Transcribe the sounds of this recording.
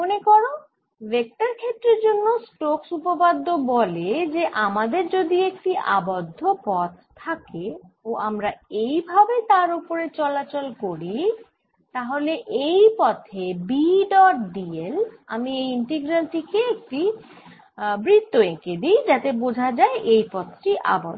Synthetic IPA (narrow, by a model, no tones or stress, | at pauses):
monekɔɾo | bek̚ʈaɾkʰet̪ːɾeɾd͡ʑonːosʈoksupopad̪ːobɔled͡ʑeʔamad̪eɾd͡ʑod̪iek̚ʈiʔa̰bod̪ʱːopɔt̪̚ʰːakeoʔamɾaejbʱabet̪aɾopoɾet͡ɕɔlat͡ɕolkoɾi | t̪aɦoleʔejpɔt̪ʰebiɖɔʈ̚ɖiela̰miejiɳʈiɡɾaɳʈikeek̚ʈi | bɾit̪ːoeked̪ijd͡ʑat̪ebod͡ʑʱad͡ʑaeʔejpɔt̪ʰʈiʔa̰bo̰d̪ʱ